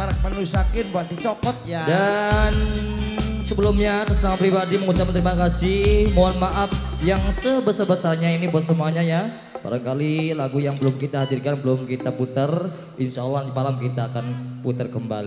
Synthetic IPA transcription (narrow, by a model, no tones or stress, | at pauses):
maɾak̚mənusakɪnbuadit͡ʃɔkɔt̪̚jadan | səbəlʊmɲat̪əsənamat̪̚pɾibadiməŋusamənt̪əɾimakasɪhmoanmaʔaf̚jaŋsəbəsarbəsarɲainibasəmuaɲaja | pa̰ɾakalilaɡujaŋbəlʊmkit̪aɦadirkanbəlʊmkit̪aput̪ər | inʃaalːahmalamkit̪aːkanput̪ərkəmba̰li